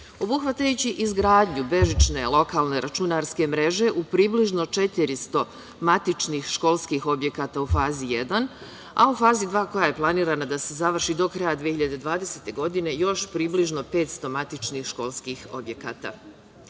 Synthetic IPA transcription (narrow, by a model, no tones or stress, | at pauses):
o̞buxʋat̪ajut͡ɕiʔizɡɾaːd̪ɲube̞ʒit͡ʃne̞lˠo̞kaːlˠne̞ɾat͡ʃunaɾske̞mɾe̞ʒe̞ʔupɾiːbliʒno̞t͡ʃe̞t̪iɾist̪o̞ | mat̪it͡ʃnixʃko̞lˠskixo̞bje̞kat̪aufaːzijed̪an | a̰ufaːzid̪ʋaːko̞jaje̞plˠaniːɾanad̪ase̞zaʋr̩ʃid̪o̞kɾajad̪ʋijeçiʎad̪e̞d̪ʋaːd̪eset̪e̞ɡo̞d̪ine̞jo̞ʃpɾiːbliʒno̞pe̞ːt̪st̪o̞mat̪it͡ʃnixʃko̞lˠskixo̞̰bje̞kaːt̪a̰